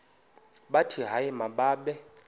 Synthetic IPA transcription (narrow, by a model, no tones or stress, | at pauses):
ɓatʰiɦaɪmaɓaːɓɛ